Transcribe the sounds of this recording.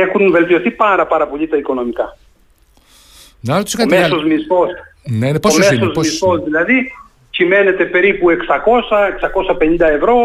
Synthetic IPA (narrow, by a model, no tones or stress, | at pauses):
exunve̞lt̪io̞θipɐɾɐpɐɾɐpo̞ʎit̪ɐiko̞no̞mikɐ | nɐt̪u̥skɐmmeɐsozmisfo̞stnepoomesozmisfosðilɐði | cime̞ne̞t̪e̞pe̞ɾipue̞ksɐko̞sɐeksɐko̞sɐpe̞nĩnd̪ɐe̞vɾo̞